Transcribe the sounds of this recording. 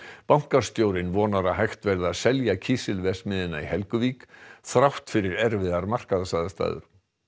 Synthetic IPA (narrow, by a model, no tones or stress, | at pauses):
pawŋ̥kaɾ̥st̪joːwɾɪnvɔːnaɾaɦajxt̪vɛɾðaðsɛljacʰiːsɪlvɛsmɪðɪnːaihɛlkʏviːkθɾawht̪fɪɾɪɾɛɾvɪðaɾmar̥kaðasaːðast̪a̰ːðʏ̰ɾ̥